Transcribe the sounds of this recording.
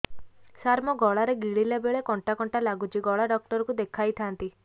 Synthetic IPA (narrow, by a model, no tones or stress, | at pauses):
saɾmɔɡɔɭaɾeɡiɭilebeɭekɔɳʈakɔɳʈalaɡut͡ʃiɡɔɭaɖɔk̚ʈɔɾɔkud̪ekʰajt̪ʰant̪i